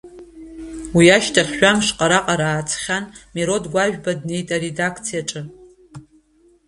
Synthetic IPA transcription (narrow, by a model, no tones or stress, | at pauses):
wiaʃtʰaχʲːʷᶣamʂqʼaɾaqʼaɾaːt͡sʰʼχʲanmeɾo̞dɡʷaʒᶣbadne̞jtʼaɾe̞dakʰt͡sʰijaʈ͡ʂʼɨ